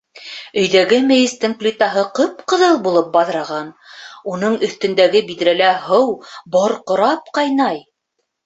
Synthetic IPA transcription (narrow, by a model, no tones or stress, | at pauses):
ɵ̆jðæɡɘmɘ̆jɘ̆st̪ɘŋklʲit̪ɑɦɤqɤpqɤ̆ðɤlˠbulˠɤp̚bɑðɾɑʁɑnunɤɴɵ̆θt̪ɵ̆nd̪æɡɘbid̪ɾælæɦɤwboɾqŏɾɑp̚qɑjnɑj